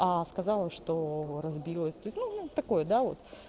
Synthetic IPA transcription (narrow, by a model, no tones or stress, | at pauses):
askɐzɑlˠəʂt̪oɾɐzbʲilˠəsʲt̪ut̪ʲnunut̪ːɐko̞jəd̪avo̞̰t̪